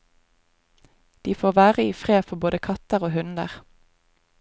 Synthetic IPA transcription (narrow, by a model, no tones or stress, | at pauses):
d̪̥iːfoːʁʋæːʁəiːfʁeːfɔboːd̪əkʰɑt̪əʁoːhʉnd̪ə̰ʁ